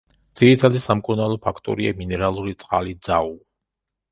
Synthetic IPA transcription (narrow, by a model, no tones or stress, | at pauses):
d̪z̥iɾit̪ʰad̪isamkʼuɾnalˠɔpʰakʰt̪ʼɔ̰ɾia̰minɛɾalˠuɾit̪sʼqʼalid̪z̥au